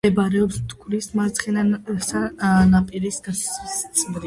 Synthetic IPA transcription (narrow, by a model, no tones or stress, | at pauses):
ɛbaɾɛɔpst̪kʰʼɾismaɾt̪sʰχɛnasanapʼiɾisɡasssʰmɾi